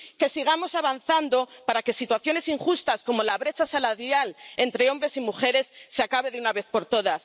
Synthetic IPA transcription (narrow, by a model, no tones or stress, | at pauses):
ke̞siɣ̞amo̞saβanθand̪o̞paɾake̞sit̪waθjo̞ne̞siŋxust̪asko̞mo̞laβɾe̞t͡ʃasalaðjale̞nt̪ɾe̞o̞mbɾe̞simuxe̞ɾe̞sːeakaβe̞ðeunaβe̞θpo̞ɾt̪o̞ðas